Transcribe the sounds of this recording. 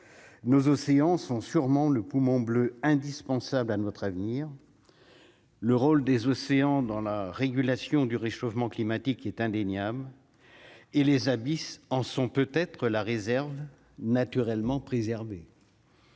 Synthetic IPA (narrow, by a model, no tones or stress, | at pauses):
nozɔseɑ̃sɔ̃syʁmɑ̃ləpumɔ̃bløɛ̃d̪ispɑ̃sablanɔt̪χavniʁ | ləʁold̪ezɔseɑ̃d̪ɑ̃laʁeɡʲylasjɔ̃d̪yʁeʃofmɑ̃klimat̪ikɛt̪ɛ̃d̪eɲjabl | elezabisɑ̃sɔ̃pøt̪ɛt̪χəlaʁezɛʁv | nat̪yʁɛlmɑ̃pχezɛʁbe